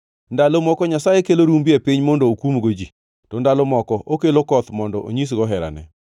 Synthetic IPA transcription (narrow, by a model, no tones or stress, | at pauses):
ndalomɔkɔɲasajekeloɾumbiepiɲmɔndɔokumɡod͡ʒi | tɔndalomɔkɔʔokelokɔt̪mɔndɔʔo̰ɲis̬ɡɔɦɛɾa̰nɛ̰